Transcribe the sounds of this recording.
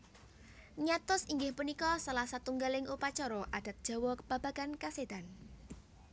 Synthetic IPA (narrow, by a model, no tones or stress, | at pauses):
ɲat̪ʊsiŋɡɪhpunikɔsalahsat̪uŋɡalɪŋʔupat͡ʃɔɾɔʔad̥a̤t̪̚d̥ʒ̥a̤wɔb̥a̤b̥a̤ɡ̥ankased̪̥an